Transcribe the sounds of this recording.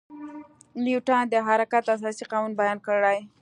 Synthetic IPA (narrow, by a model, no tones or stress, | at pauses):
liuʈɑd̪əɦaɾakat̪as̬ɑsiqɑnunbajɑnkəɽaj